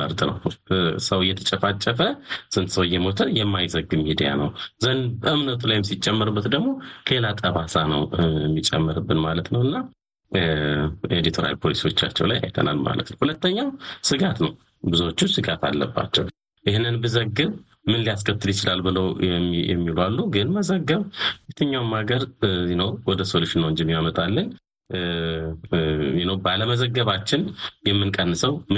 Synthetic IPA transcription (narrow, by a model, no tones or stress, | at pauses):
əɾt̪ʼnə̰wsəwɨjːɛt̪ʰət͡ʃʼəfat͡ʃʼːəfəsɨnt̪səwɨjːɛmo̞t̪ʰənjɛmːajzəɡːɨmːid̪ija̰nə̰wzənbʔɨmnət̪ʼulajmsit͡ʃʼːɛmːɨɾɨbːət̪d̪əɡmo̞kʰelat̪ʼəβasanəwɛmːit͡ʃʼːɛ̰mːəɾɨbːɨnmalət̪nəwɨnːa | ed̪it̪ʰoɾa̰lpʰolisiwo̞t͡ʃːat͡ʃːɛ̰wlaja̰jt̪ʰə̰na̰lma̰lə̰t̪nəwhulət̪ːəɲːawsɨɡat̪nəw | bɨzot͡ʃːusɨɡat̪ʰa̰lːə̰bːa̰t͡ʃːɛw | jɪhnːɨnbɨzəɡːɨβ | mɨnlijaskʰət̪ʰːɨlɪt͡ʃɪlalbɨləwjɛ̰mːilalːuɡɨnməzəɡːəβet̪ʰːəɲːawmːaɡəɾnəwwɔd̪əsoluʃɪnːəwɨnd͡ʒimjamət̪ʼalːɨn | jinəwbaləməzəɡːəβat͡ʃːɪnjɛmːɨnkʼənːɨsəwm